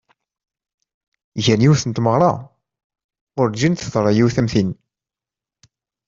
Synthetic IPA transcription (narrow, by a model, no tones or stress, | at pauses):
ʝænjiwθənt̪məʁɾˤɑ̰ | ʊɾd͡ʒint̪əðˤɾˤɑjiwθæmθin